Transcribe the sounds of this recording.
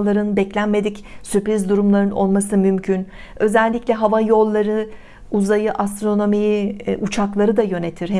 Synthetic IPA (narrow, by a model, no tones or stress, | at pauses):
lˠaɾɯnbɛclʲænme̞d̪icsypɾizd̪uɾumlˠaɾɯno̞̰lˠmasɯmymcʰyn | ø̞zɛlʲːiclʲɛɦavajo̞lˠːaɾɯ | uzajɯʔast̪ɾo̞no̞mijʔut͡ʃʰaklˠaɾɯd̪ajø̞ne̞t̪ʰiɾh